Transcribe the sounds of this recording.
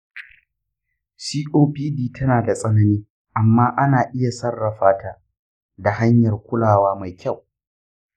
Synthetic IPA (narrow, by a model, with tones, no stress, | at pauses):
siː˦ʔoː˦piː˦diː˦tʰɐ˦naː˨da˨sʼɐ˦nɐ˦niː˦ | ʔa˨mːaː˦ʔa˦naː˨ʔɪ˦ja˨sɐ˦rːɐ˨ɸaː˦taː˨ | da˨ɦa˦ɲjɐ˨rkʷʊ˦laː˨waː˦ma˨jkʲʰa˦˨w